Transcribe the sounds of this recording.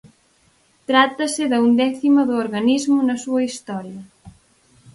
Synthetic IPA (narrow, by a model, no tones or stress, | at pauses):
t̪ɾat̪ɐsɪðɐund̪ɛθimɐðʊoɾɣanizmʊnɐsuɐist̪ɔɾjɐ